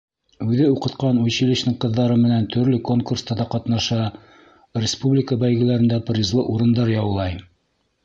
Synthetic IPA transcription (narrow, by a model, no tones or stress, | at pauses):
ʉðɘuqɤ̆t̪qɑnujɕilɘ̆ɕnɘŋqɤ̆ðːɑɾɤmɘ̆nænt̪ʰɵ̆ɾlɘko̞ŋkurst̪ɑd̪ɑqɑt̪nɑʃɑ | rʲɪspublʲɪkəbæjɡɘ̆læɾɘ̆nd̪æprʲizlˠɤʔuɾɤ̆nd̪ɑɾjɑwlˠɑj